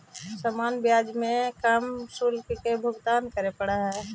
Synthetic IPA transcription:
səmaːnbjaːd͡ʒmẽkəmsulkkebʱʊɡt̪aːnkəɾepəɽaɦɛː

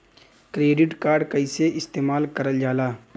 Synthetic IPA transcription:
kɾeːɖɪʈkaːɾɖkəɪseʔɪst̪eːmaːlkəɾəld͡ʒaːlaː

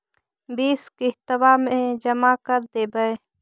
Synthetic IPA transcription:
biːskɪɦt̪əwaːmẽd͡ʒəmakəɾd̪eːbəe

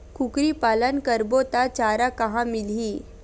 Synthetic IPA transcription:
kʊkɾipaːlənkəɾbot̪at͡ʃaːɾakɐɦãmɪliː

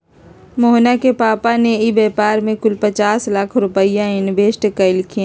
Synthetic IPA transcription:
moːnakepaːpaneibɛːpaːɾmẽkʊlpɐt͡ʃaːslaːkʰɾʊpəɪjãɪnbeːʃʈəkalɪkʰiã

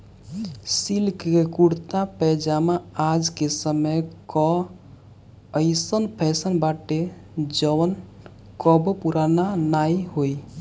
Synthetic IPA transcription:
silkkekuɽt̪apɛd͡ʒamaad͡ʒkesəməjkɔ | əɪsənpʰɛsənbaʈe | d͡ʒəwən | kɔbɔpuɾananaiɦoj

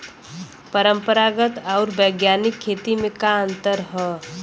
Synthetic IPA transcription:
pəɾə̃mpəɾaɡət̪ɔːɾbəːɡjaːnɪkʰːeːt̪imẽkaə̃nt̪əɾɦɛː

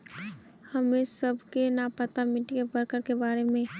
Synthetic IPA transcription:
həmesəbʱkenapət̪amɪʈikebəɾkəɾkebaːɾemẽ

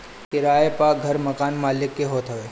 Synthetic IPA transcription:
kɪɾaːepaːk̚ɡʱɐɾmɐkaːnmaːlɪkːeɦoːt̪ɦɐʋeː

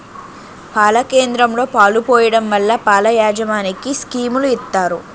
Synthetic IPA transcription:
paːlɐke̞ːnd̪ɾɐmlo̞ːpaːlupoːjɐɽɐmʋɐlːɐpaːlɐjaːd͡ʒɐʋaːnikiskiːmuluit̪ːaːɾu

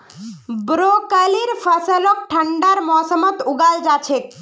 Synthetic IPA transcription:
bɾokəliɾfasəlɔk̚ʈʰəɳɖaɾmɔsɔmɔt̪uɡald͡ʒat͡ɕʰek

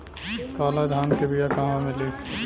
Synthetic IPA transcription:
kaːlad̪ʱaːnkebijakaːmãmẽliː

